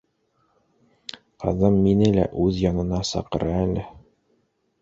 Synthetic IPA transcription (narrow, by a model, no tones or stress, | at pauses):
qɑ̰ðɤmːinɘlæ̰ʔʉðjɒnɤ̆nɑsɑ̰qɤ̆ɾʔɑælɘ